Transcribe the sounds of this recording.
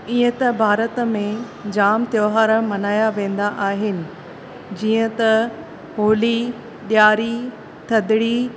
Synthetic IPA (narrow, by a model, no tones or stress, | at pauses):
iːə̃t̪ɐbʱaːɾət̪mẽ | d͡ʑaːmt̪joːɦaːɾəmɐnaːjaʋẽːn̆d̪aʔaːɦɪnɪ̆ | d͡ʑiːə̃t̪ɐ | ɦoːli | ɗjaːɾi | t̪ʰɐd̪ɪɽi